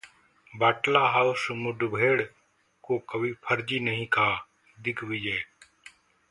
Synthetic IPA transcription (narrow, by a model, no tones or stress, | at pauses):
baːʈlaːɦaːʊsmʊɖʱbʱeːɽ | koːkəʋiːpʰəɾd͡ʒiːnəɦĩːkʰaː | d̪ɪkʰʋiːd͡ʒeː